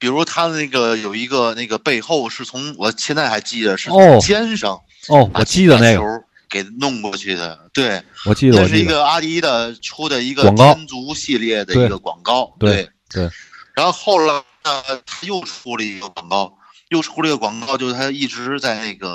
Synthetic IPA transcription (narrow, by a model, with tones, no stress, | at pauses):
pi˨˩ɻu˧˥ʂwɔ˥t̪ʰa˥˧˩ne˥˩ɡə˩jo˨˩ʊi˧˥ɡə˧ne˥˩ɡə˩pe˥˧ɪxo˥˧ʊʂɻ̩˥˩t͡sʰʊ˧˥ŋwɔ˨˩t͡ɕʰjɛ˥˧nt͡sa˥˩ɪxa˧˥ɪt͡ɕi˥˩d̪ə˩ʂɻ̩˥˩˥t͡ɕjɛ˥nʂɤ˧˥ŋ | ɔ˥˩wa̰ɔ˨˩t͡ɕi˥˩d̪əna˥˩ɡ | ke˨˩ɪnʊ˥˧ŋkwɔ˥˧t͡ɕʰy˥˩d̪ə̰˩t̪we˥˩ɪwɔ˨˩t͡ɕi˥˩d̪ɔ˨˩ʂɻ̩˥˩i˧˥ɡə˧a˥t̪i˧˥d̪ə˧ʈ͡ʂʰu˥d̪ə˨i˧˥ɡə˧wɑ˨˩ŋkɑ˥nt͡su˧˥ɕi˥˧ljɛ˥˩d̪ə˩we˥i˩˥ɡə˧kwɑ̰˨˩ŋkɑ˥˩ʊt̪wewɪ˩ɪ | t̪we˥˩ɪɻa˧˥nxo˥˧ʊxo˥˩ʊla˧˥ɪnə˧t̪ʰa˥jo˥˩ʊʈ͡ʂʰu˥lə˨i˧˥ɡə˧kwɑ˨˩ŋkɑ˥ʊ | jo˥˩ʊʈ͡ʂʰu˥ə˧i˧˥ɡə˧kwɑ˨˩ŋkɑ˥t͡ɕjo˥˧ʊʂtʰa˥˧i˥˩ʈ͡ʂɻ̩˧˥t͡sa˥˧ɪne˥˩ɪɡə˩